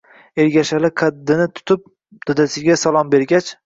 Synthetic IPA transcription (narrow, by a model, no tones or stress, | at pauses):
eɾɡʲaʃalɪqʰad̪ːɪnɪt̪ʰʊ̥t̪ʰʊp̚ | d̪̥ɒd̪asɪɡʲasalˠɒmbe̞ɾɡʲat͡ʃ